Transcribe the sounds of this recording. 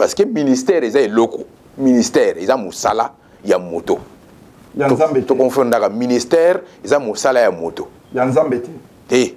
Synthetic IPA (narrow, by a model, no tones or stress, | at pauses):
paskeministɛʁezaelɔko | ministɛʁezamosa̰la | jamoto | tokɔfɔ̃ndakaministɛʁezamosalajamoto | nza | te